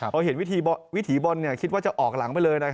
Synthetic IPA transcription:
pʰɔː˧ɦe˩˦nwi˦˥t̪ʰiː˧bɔ˧wi˦˥t̪ʰiː˩˦bo˧nːi˥˩ɐkʰi˦˥t̪̚waː˥˩t͡ɕa˨˩ʔɔː˨˩k̚la˩˦ŋpa˧jlɤː˧jna˦˥kʰ

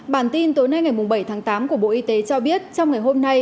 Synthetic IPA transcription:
ɓaː˧˩nt̪i˧nt̪o˨˦jna˧jŋa˨˩jmʊ˨˩ŋ͡mɓə˧˩jt̪ʰaː˨˦ŋt̪aː˨˦mku˧˩əɓo̰˧˨ʔi˧t̪e˨˦t͡ɕɔ˧ɓi˦˥ət̚t͡ɕɔ˧wŋ͡mŋa˨˩jɦo˧mna˧j

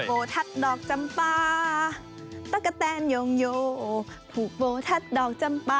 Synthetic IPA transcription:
boː˨˦t̪ʰa˧˥t̪̚dɔː˨˩k̚t͡ɕa˧mpaː˧ | t̪a˧˥˩kːa˧t̪ɛː˧njoː˨˧ŋjoː˧ | t̪ʰuː˨˩k̚boː˨˧t̪ʰa˧˥t̪̚dɔː˨˩k̚t͡ɕa˧mpaː˧

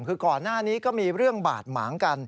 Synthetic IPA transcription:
kʰɯː˧kɔː˨˩nːaː˥˩niː˦˥kɔː˥˩miː˧ɾɯ˥˩əŋba̰ː˨˩t̪̚ma̰ː˩˦ŋka˧n

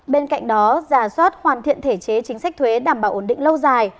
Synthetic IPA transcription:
ɓe˧nka̰˧˨jŋ̟ɗɔ˨˦zaː˧˩swaː˦˥t̚hwaː˨˩nt̪ʰḭ˧˨ənt̪ʰe˧˩t͡ɕe˨˦t͡ɕï˨˦ŋ̟sa˦˥k̚t̪ʰwe˨˦ɗaː˧˩mɓaː˧˩wʔə˧˩nɗḭ̈˧˨ŋ̟lə˧wzaː˨˩j

